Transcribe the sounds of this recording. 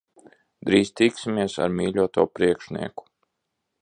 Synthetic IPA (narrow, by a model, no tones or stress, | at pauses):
d̪ɾiːzt̪iksʲimʲiɛsa̰ɾmiːlʲuɔt̪uːpɾiɛkʃnḭɛku̥